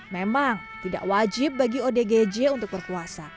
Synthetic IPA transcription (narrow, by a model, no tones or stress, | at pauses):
memaŋ | t̪ida̰ʔwad͡ʒɪp̚baɡiodeɡed͡ʒeunt̪ʊk̚bərpuasa